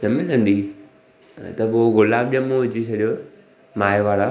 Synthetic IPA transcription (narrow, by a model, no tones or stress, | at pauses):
nɐmɪlə̃nd̪i | t̪ɐpoːɣʊlaːb̚ɗijə̃mũɦʊd͡ʑisʰɐɗijo | maːjʋaːɾa